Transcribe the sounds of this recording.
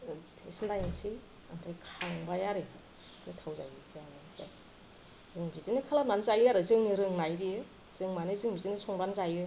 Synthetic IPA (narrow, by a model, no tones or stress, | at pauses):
tʰesndajisi | antʰajkʰaŋbajaɾe | ɡɯtʰawza̰jizanakʰa | zɯŋbitinikʰalamanzajɯaɾɯzɯŋniɾɯŋnajɾiɯ | z̥ɯŋmanizɯŋbitinisɔŋɾanzajɯ